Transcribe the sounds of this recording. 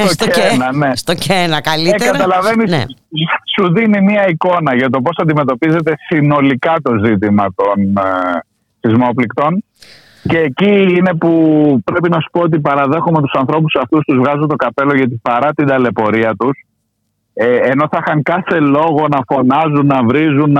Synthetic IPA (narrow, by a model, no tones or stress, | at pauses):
st̪oteenɐne̞st̪ocenɐkɐliekɐt̪ɐlɐve̞nissuðinimiɐiko̞nɐʝɐt̪o̞p̬o̞sɐnd̪ime̞t̪o̞pize̞t̪e̞sino̞likɐt̪o̞zit̪̬imɐt̪o̞n | θizmo̞plikt̪o̞n | ce̞ːciine̞pupɾe̞pinɐsu̥po̞ot̪̬ipɐɾɐðe̞xumet̪u̥sɐnθɾo̞p̬usɐft̪ust̪uzvɣɐzunt̪o̞kɐpe̞lo̞ʝɐt̪ipɐɾɐt̪ind̪ɐle̞po̞ɾiɐt̪us | eːno̞θɐxɐŋkɐθe̞lo̞ɣo̞nɐfo̞nɐzunːɐvɾizun